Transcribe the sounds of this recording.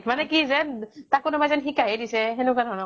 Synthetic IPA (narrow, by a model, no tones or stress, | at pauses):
manɛkizɛntakonobajzɛnxikajɛdisɛɦɛnukanɔnɔ